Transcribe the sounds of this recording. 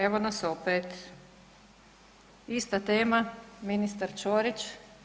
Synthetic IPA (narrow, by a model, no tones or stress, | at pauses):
eʋonasopeːt̪ | ist̪at̪eːmaminist̪aɾt͡ʃoːɾit͡ʃ